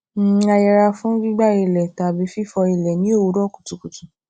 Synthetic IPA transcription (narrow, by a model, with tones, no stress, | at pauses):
a˧jɛ˨ɾa˧fũ˦ɡ͡bi˦ɡ͡ba˦i˨lɛ˨ta˨bi˨˦fi˦fɔ˧i˧˨lɛ˨nĩ˦o˦wu˨˦ɾɔ˦˨ku̥˨tu˨ku˨tu˨